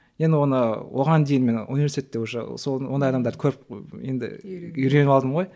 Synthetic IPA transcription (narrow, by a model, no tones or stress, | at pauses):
jend̪ɪwo̞nəwʔoʁɑnd̪ejɪnme̞nṵnijvesit̪ʰet̪ːewoʃə̰sowo̞nd̪ɑjɑd̪ɑmd̪ɑɾkʰɵɾp̚je̞̰nd̪ɪ̰iɾe̞nɪɑlˠd̪əmʁo̞j